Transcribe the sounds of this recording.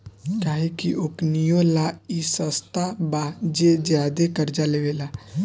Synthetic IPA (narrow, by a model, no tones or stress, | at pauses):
kaːɦikiʔoknijolaisəst̪abad͡ʒed͡ʒjaːd̪ekəɾd͡ʒaleʋelaː